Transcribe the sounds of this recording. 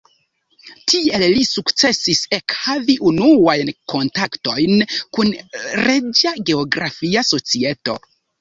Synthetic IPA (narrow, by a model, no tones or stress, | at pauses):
tʰie̞llisukt͡se̞sise̞khaviʔunuajnko̞ntakto̞jnkunɾed͡ʒaɡe̞o̞ɡɾafiaso̞t͡sie̞to̞̰